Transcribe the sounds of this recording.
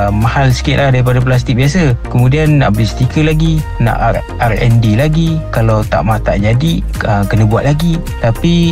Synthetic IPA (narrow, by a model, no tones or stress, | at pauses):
mahalsə̥kɪʔ̪lahdaɾip̬adap̬las̬t̪ɪk̚biasəkəmũdianːa̰ʔbəlist̪ikəlaɡina̰ʔ | arɛ̰ndilaɡikalawt̪a̰ʔmat̪a̰ʔd͡ʒadi | əkənəbuat̪̚laɡi | t̪api